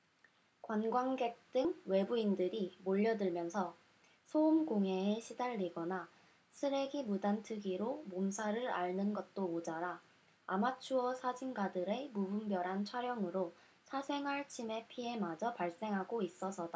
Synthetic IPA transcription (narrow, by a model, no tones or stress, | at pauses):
kwanɡwaŋɡe̞k̚t͈ɯŋwe̞buindɯɾimoʎːʌdɯɭmjʌnsʰʌ | sʰoumɡoŋe̞ːɕʰidaɭːiɡʌna | sʰɯɾe̞ɡimudantʰɯɡiɾomomsʰaɾɯɾa̰ɭnɯnɡʌt̚t͈ood͡ʑaɾaː | mat͡ɕʰuʌsʰad͡ʑinɡadɯɾe̞mubumbjʌɾɦant͡ɕʰwaɾjʌŋɯɾo | sʰasʰe̞ŋɦaɭt͡ɕʰime̞pʰie̞mad͡ʑʌpaɭs͈e̞ŋɦaɡois͈ʌsʰʌda